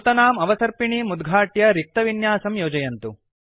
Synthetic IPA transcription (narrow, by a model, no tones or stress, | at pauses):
t̪ɐnaːmɐʋɐsɐɾpiɳimud̪ɡʱaːʈjɐɾik̚t̪ɐʋinjaːsɐmjoːd͡ʒɐjɐnt̪u